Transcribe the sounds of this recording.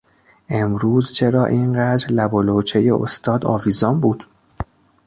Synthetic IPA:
ʔe̞mɾuːzt͡ʃʰe̞ɾɒːʔiːnɢæd̪ɾlæbolot͡ʃʰejeo̰st̪ʰɒːd̪ɒ̰ːviːzɒːmbuːd̪̥

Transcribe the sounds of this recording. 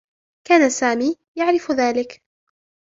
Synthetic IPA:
kaːnasaːmiː | jaʕɾɪfðaːlɪk

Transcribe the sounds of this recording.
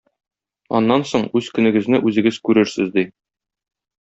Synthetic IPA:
ɒ̰nːɑnsoɴʉz̥kɵ̆nɘ̆ɡɘ̆znɘʔʉzɘ̆ɡɘz̥kʉɾɘɾsɘ̰zd̪i

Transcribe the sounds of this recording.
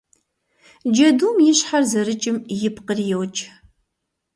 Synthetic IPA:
d͡ʒɐduːmjɪɕħarzɐrɨt͡ʃʼɪmjɪpqərjɛwt͡ʃʼ

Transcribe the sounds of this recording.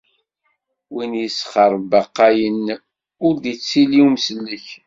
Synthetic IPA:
winjəsχəɾˤbɑqːɑjən | ʊɾd̪it͡sːiliwmsəlːəç

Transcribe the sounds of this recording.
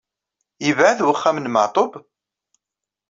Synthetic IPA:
ivʕəðwəχːæmənmə̰ʕt̪ˤob

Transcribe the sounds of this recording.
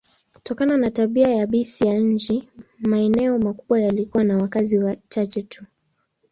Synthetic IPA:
ku̥tɔkananataɓiajaɓisijaɲ̩t͡ʃimaɛnɛɔmakuɓwajalikuwanawakaziwat͡ʃat͡ʃɛtʰu

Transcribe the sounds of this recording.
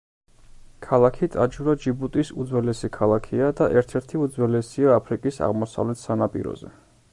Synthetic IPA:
kʰalˠakʰit̪ʼad͡ʒuɾad͡ʒibut̪ʼisud̪zwɛlɛsikʰalˠakʰiad̪aʔɛɾt̪ʰɛɾt̪ʰiud̪zwɛlɛsiaːpʰɾikʼisa̰ʁmɔsa̰vlɛt̪ʰsanapʼḭɾɔ̰zɛ̰

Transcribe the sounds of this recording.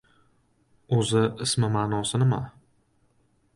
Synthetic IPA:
ozɪɪsmɪmaːnɒsɪnɪma

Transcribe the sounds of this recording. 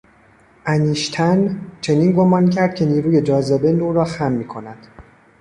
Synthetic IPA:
ʔæniːʃt̪ʰænt͡ʃʰe̞niːnɡo̞mɒːncʰæɾd̪̥̚kcʰe̞niːɾuːje̞d͡ʒɒːzebenuːɾɒːxæmːiːkʰo̞næd̪̥

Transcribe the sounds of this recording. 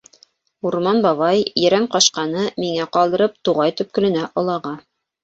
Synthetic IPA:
uɾmɑnbɑβɑjjɘ̆ɾæmqɑʃqɑnɤmiŋæqɑlˠd̪ɤ̆ɾɤp̚t̪uʁɑjt̪ɵ̆p̚kɘ̆lɘ̆næʔŏlˠɑʁɑ

